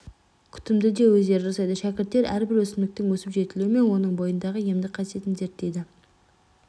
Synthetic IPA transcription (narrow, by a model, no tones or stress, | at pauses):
kʲʰʏ̥t̪ɪmd̪ɪd̪e̞wɵzd̪e̞ɾɪɾɑsɑjd̪əʃækʲɪɾt̪ːe̞ɾʔæɾbɪɾwɵsɪnd̪ɪk̚t̪ɪŋwɵsɪpʒe̞t̪ɪluɪme̞nwo̞nəɴbo̞jənd̪ɑʁəjemd̪ɪqʰɑsije̞t̪ɪŋzeɾt̪d̪ejd̪ɪ